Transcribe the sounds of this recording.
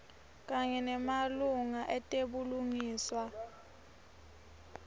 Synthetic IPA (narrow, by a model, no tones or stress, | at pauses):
k̬ʼaɲɛnɛmaluŋaʔɛtʼeɓuluŋiːswa